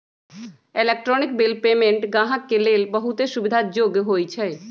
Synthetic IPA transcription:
elek̚ʈɾɔnik̚belpemẽɳʈɡãɦakːelelbəɦut̪eʃubid̪ʱad͡ʑoɡɦojt͡ɕʰe

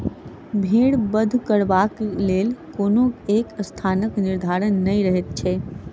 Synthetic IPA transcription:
bʱeɽbəd̪ʱkəɾbaklelkonoekəst̪ʰanəkniɾd̪ʱaɾənːəjɾəɦɛt̪̚t͡ʃʰɛ

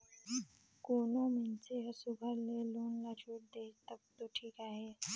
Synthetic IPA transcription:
koːnõmenseɦəsubʱəɾleluːnlat͡ʃʰoːʈ̚d̪eːt̪ək̚t̪oʈʰiːkaːɦeː

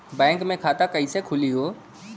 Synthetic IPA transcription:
bɛ̃ːŋkmẽkʰaːt̪akɐisekʰʊliɦoː

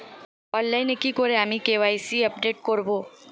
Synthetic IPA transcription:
ɔ̃ːnlaɪnekikoɾeamikeʋaːisiɐp̚ɖeːʈ̚koɾboː

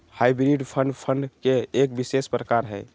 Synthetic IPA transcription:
hajbɾiɖpʰəɳɖpʰəɳɖkeːkbisespɾəkaɾɦɛ

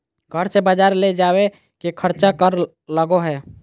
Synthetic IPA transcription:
ɡʱəɾsebəd͡ʒaːɾled͡ʒaːwe | kekʰəɾt͡ʃakəɾ | ləɡoɦɛː

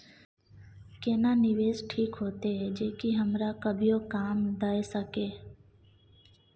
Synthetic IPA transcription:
keːnaːnɪʋeːzʈʰiːkɦoːt̪ed͡ʒeːkiɦəmɾakəbʱijokaːmd̪aːesəkeː

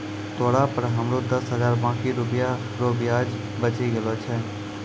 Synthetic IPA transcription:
t̪ʰoːɽaːpəɾɦəmɾoːd̪əsɦəzaːɾbãːkiːɾʊpja | ɾoːbɪjaːd͡ʒ | bət͡ʃiːɡəloːt͡ʃʰɛː

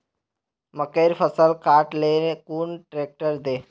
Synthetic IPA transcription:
məkəjɾfəsəlkaʈlekuːɳʈɾek̚ʈəɾd̪e

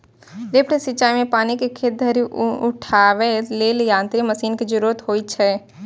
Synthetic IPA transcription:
ɾeːpɽesit͡ʃaːimẽpaːnikekʰed̪ʱəɾiʊ̰ʈʰaːʋeleːljãːnt̪ɾiməsiːnked͡ʒəɾuɾət̪ɦoːit͡ʃʰɛ

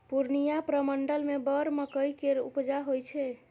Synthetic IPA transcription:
puɾnijapɾəməɳɖəlmebəɾməkəjkeɾṵpd͡ʒaɦojt͡ʃʰɛ

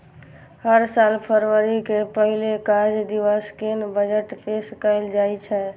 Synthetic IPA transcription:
həɾsalpʰəɾʋəɾikepəɦilekaɾd͡ʒd̪iʋəskenbəd͡ʒəʈpʰeskəɪld͡ʒajt͡ʃʰɛ

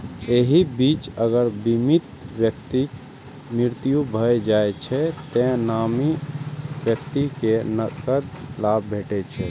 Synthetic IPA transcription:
eɦibit͡ʃəɡəɾbimit̪bjəkt̪i | miɾt̪ijubʱəjd͡ʒaet͡ʃʰɛt̪ɛ̃namibjəkt̪ikenəkəd̪labbʱeʈɛt͡ʃʰɛ̰

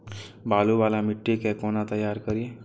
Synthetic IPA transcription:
baːlubaːlamɪʈːekekoːnat̪əjːaːɾkəɾie

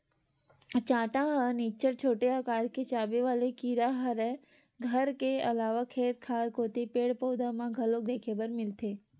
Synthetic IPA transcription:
t͡ʃãːʈãɦəniːt͡ʃəɾt͡ʃʰoːʈejakaːɾket͡ʃaːbeʋaːlekiːɾaɦəɾɛ | ɡʱəɾkeɐlaːʋakʰeːt̪̚kʰaːɾkoːt̪epeːɽpoːd̪ãmãɡʱɐloːk̚d̪eːkʰeːbəɾmɪlt̪ʰeː

